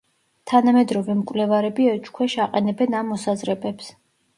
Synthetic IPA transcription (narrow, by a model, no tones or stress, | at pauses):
t̪ʰanamɛd̪ɾɔvɛmkʼwlɛvaɾɛbiɛt͡ʃkʰwɛʃaqʼɛnɛbɛnamːɔsazɾɛbɛps